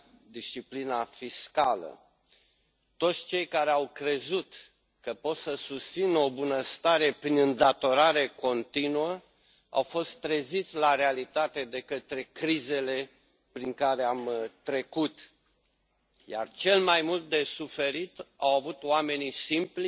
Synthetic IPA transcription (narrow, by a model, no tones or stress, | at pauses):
d̪iʃt͡ʃiplinafiskalə̰ | t̪o̞t̪sʲt͡ʃe̞jkaɾeawkɾe̞zut̪ | kəpo̞t̪səsust̪sino̞bunəst̪aɾe̞pɾinɨnd̪at̪o̞ɾaɾe̞ko̞nt̪inuə | a̰wfo̞st̪ːɾezit̪sʲlaɾealit̪at̪e̞d̪e̞kət̪ɾe̞kɾize̞le̞ | pɾiŋkaɾe̞amt̪ɾe̞kut̪ | ja̰rt͡ʃe̞lmajmult̪̚d̪e̞sufe̞ɾit̪awavut̪oame̞nisimpl